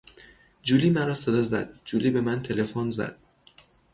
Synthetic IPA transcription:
d͡ʒuːliːmæɾɒːse̞d̪ɒːzæ̰d̪̥̚d͡ʒuːliːbe̞mænt̪ʰe̞le̞fonzæ̰d̪̥̚

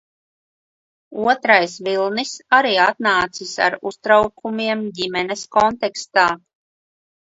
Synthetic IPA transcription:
uɔt̪ɾajsvilˠnisaɾiːat̪̚naːt̪sisa̰ɾust̪ɾawkʰumiɛmdimɛnɛskɔnt̪ɛkst̪aː

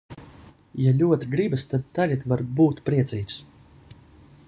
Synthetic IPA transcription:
jalʲuɔt̪ɡɾibɨst̪ad̪̚t̪alʲat̪vaɾbuːt̪pɾiɛt̪siːt̪s

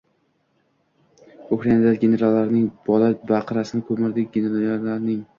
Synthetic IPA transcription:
ukɾanad̪aɡʲe̞ne̞ɾalːaɾɪnɪŋbɒlabaqʰɨɾasɪnɪkʰɵmɪɾd̪ɪk̚ʲɡʲeneɾaaɾlaɾnɪŋ

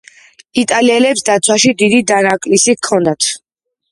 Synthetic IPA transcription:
it̪ʼaliɛlɛpsd̪at̪sʰwaʃid̪id̪id̪anakʼlisikʰɔnd̪at̪ʰ

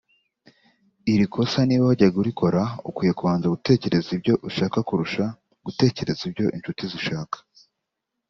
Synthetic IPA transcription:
iɾikʰo̞saniːβaaɟaɡuɾikʰo̞ɾaukwiːjekuβaːnzaɡute̞ːce̞ɾe̞zibɟo̞ʔuʃaːkakuɾuʃa | ɡ̥ute̞ːce̞ɾe̞zibɟo̞ʔint͡ʃutiziʃaːkḁ

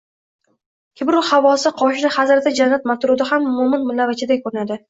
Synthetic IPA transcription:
kʲʰɪbɾʊhavɒsɪqʰɒʃɪnɪhazɾat̪ʰɪd͡ʒanːat̪mat̪ɾʊd̪ɪhamʊmʊmɪnmʊlːavat͡ʃʰɪd̪akʰɵɾɪnad̪ɪ

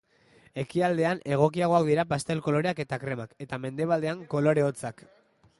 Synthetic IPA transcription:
e̞kiald̪e̞ane̞ɣ̞o̞k̬iaɣ̞o̞akd̪iɾapast̪e̞lko̞lo̞ɾe̞ake̞t̪akɾe̞make̞t̪ame̞nd̪e̞β̞ald̪e̞aŋko̞lo̞ɾe̞ot͡sak

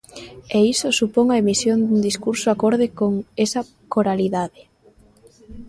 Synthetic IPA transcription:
eisosupoŋɐemisjond̪und̪iskuɾsoakoɾðɪkoŋesɐ | koɾaliðaðɪ

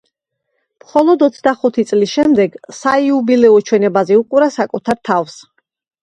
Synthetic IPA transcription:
mχɔlˠɔd̪ɔt̪sʰd̪aχut̪ʰit̪sʼlisʃɛmd̪ɛɡsaiubilɛɔt͡ʃʰwɛnɛbazɛuqʼuɾasakʼut̪ʰaɾt̪ʰafs

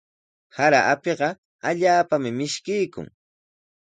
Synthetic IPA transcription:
haɾaʔapeɢɑ | aʎaːpamɪmɪʃkɪjkʊ̰ŋ

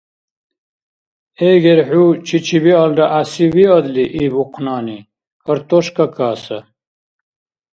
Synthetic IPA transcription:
eːɡeɾħut͡ɕʰit͡ɕʰiwialɖɐʔasiwiɐd̪liʔiːbuqʰnaːni | kɐɾt̪oɕkɐkaːsɐ

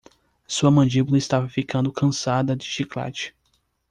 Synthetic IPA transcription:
suɐmɐ̃nd͡ʒibulɐɪst̪avɐfikɐ̃nd̪ʊkʰɐ̃sad̪ɐd͡ʒɪʃikla̰t͡ʃɪ̥

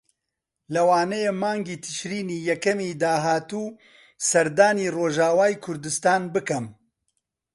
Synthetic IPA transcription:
lɐwaːnɛjeːmaːŋɡiːt̪ʰɨ̥ʃɾiːniːjɛkɛmiːd̪aːɦaːt̪uː | sɐɾd̪aːniːroːʒaːwaːikʰʊɾd̪ɨst̪aːnbɨkɛm

